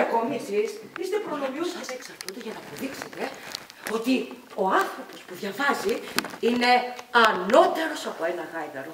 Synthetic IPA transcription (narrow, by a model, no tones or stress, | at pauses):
ko̞misisist̪epɾonomjosɐseksɐɾt̪und̪eʝɐnɐːpo̞ðikset̪e̞ | o̞t̪i | o̞ɐnθɾo̞po̞spuðʝɐvɐziine̞ɐno̞t̪eɾo̞sɐpo̞e̞nɐɣɐjd̪ɐɾo